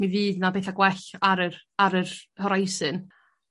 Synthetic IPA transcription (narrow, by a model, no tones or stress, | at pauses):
miviːdnabeːθaɡwɛɬaɾəraɾərhɔɾajsɨn